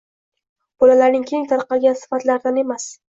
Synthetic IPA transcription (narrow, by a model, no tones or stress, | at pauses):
b̥ɒlalaɾnɪŋkʲʰe̞ŋt̪ʰaɾqɑlˠɡʲansɪ̥fat̪laɾd̪ane̞mas